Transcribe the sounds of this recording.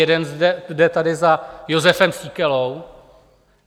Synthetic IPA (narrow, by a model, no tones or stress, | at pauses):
ɛdɛnzdɛdɛt̪adɪzajo̞zɛfɛmsiːkɛlow